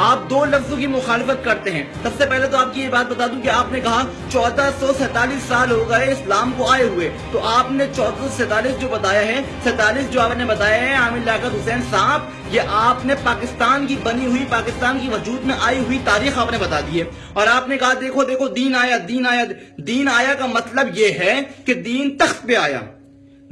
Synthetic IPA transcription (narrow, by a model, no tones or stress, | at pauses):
aːp̚d̪oːlɐfzõkimʊxaːlɪfət̪̚kɐɾt̪eɦɛ̃ːsɐbsepɛɦlet̪oaːp̚kijebaːt̪̚bɐt̪aːd̪ũkeaːpnekɐɦa | t͡ʃɔːd̪asɔsɛːt̪aːliːsːaːlɦoɡɐeɪslaːmkoaːeɦʊe | t̪oʔaːpnet͡ʃɔːd̪asɔsɛ̃ːt̪aːliːsd͡ʒoːbɐt̪aːjaɦɛsɛ̃ːt̪aːliːsd͡ʒoːaːpnebɐt̪aːjaɦɛaːmɪɾlaːkəɾɦʊsɛːnsaːb | jeʔaːpnepaːkɪst̪aːnkibɐniɦʊipaːkɪst̪aːnkiʋɐd͡ʒuːd̪mẽʔaːiɦʊit̪aːɾiːxaːpnebɐt̪aːd̪iɦɛː | ɔːɾaːpnekɐɦad̪eːkʰod̪eːkʰod̪iːnaːjad̪iːnaːjad̪iːnaːjakamɐt̪ləbjeɦɛked̪iːnt̪ɐxt̪̚peaːja̰ː